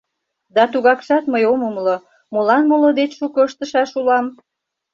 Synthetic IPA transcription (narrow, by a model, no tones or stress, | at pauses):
d̪ɑt̪uɣɑkʃɑt̪məjomomlo | mulɑnmolod̪et͡ɕʃukoəʃt̪əʃɑʃulɑm